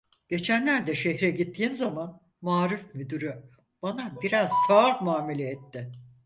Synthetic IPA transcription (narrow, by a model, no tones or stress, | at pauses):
ɟ̥e̞t͡ʃʰænlʲæɾd̪ɛʃeçɾɛɟit̪ːiːnzaman | maːɾufmyd̪yɾy | b̥anabiɾaz̥sʰamuaːme̞lʲɛɛt̪ʰːɪ